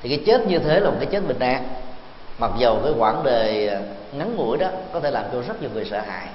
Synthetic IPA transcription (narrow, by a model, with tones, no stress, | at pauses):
t̪ʰi˨˩kaː˨˦jt͡ɕe˦˥t̚ɲɨ˧t̪ʰe˨˦laː˨˩kaː˨˦jt͡ɕe˦˥t̚ɓï˨˩n̟ʔaː˧ŋ | ma˨˩k̚zə˨˩wkaː˨˦jkwaː˧˩nɗə˨˩j | ŋa˨˦nŋṵ˧˩əjɗɔ˨˦kɔ˨˦t̪ʰe˧˩laː˨˩mt͡ɕo˧wzə˦˥t̚ɲə˨˩ŋɨ˨˩əsə̰ː˧˨ɦa̰ː˧˨j